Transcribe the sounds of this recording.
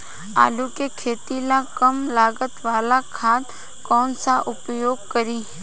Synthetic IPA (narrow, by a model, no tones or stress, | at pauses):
a̰ːlukekʰeːt̪ilakəmlaːɡət̪ʋaːlakʰaːt̪ | kɔːnsaʔʊpjoːɡ̚kəɾiː